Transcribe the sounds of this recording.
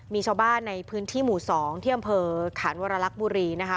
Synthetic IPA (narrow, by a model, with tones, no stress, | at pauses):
miː˧t͡ɕʰaː˧wbaː˥˩nːa˧jpʰɯː˦˥nt̪ʰiː˥˩muː˩˦sɔː˩˦ŋt̪ʰiː˥˩ʔa˧mpʰɤː˧kʰaː˩˦nwaː˧ɾa˧la˦˥k̚buː˧ɾiː˧na˦˥kʰa˦˥